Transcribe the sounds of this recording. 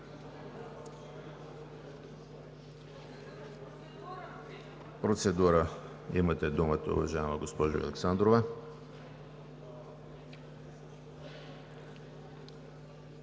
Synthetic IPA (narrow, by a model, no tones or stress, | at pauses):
pɾot̪sɛd̪uɾa | imat̪ɛd̪umət̪a̰ṵvɐʒaɛmaɡospɔʒo̰ɐ̰lɛksand̪ɾovɛ